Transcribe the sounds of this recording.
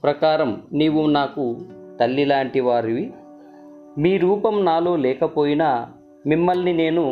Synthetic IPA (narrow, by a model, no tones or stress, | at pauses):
pɾɐkaːɾɐmniːʋunaːkut̪ɐlːilaːɳʈiʋaːɾiʋi | miːɾuːpɐmnaːlo̞ːlɛːkɐpo̞ːjinɐ | mimːɐlnine̞ːnu